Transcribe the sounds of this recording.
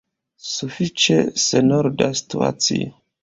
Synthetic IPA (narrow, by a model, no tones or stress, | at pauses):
sufit͡ʃesenoɾdasi̥tua̰t͡sḭo